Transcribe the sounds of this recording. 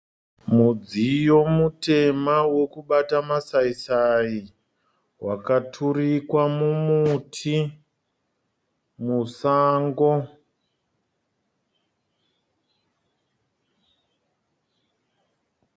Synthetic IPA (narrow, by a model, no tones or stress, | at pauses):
mud͡zijo̞mute̞mawokuɓatamasaisai | wʔakatʰurikwamumutʰi | musaːŋɡo